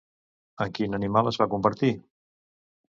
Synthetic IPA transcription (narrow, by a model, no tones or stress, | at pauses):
əkinənimalˠəzβakumpəɾt̪i